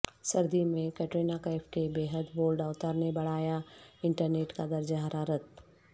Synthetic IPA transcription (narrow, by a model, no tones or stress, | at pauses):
sɐɾd̪imẽkɛʈɾiːnakaɛfʰʈebeːɦəd̪boːlɖaːʊt̪aːɾnebɐɽaːjaɪ̃ɳʈəɾneːʈkad̪ɐɾd͡ʒaɦəɾaːɾət̪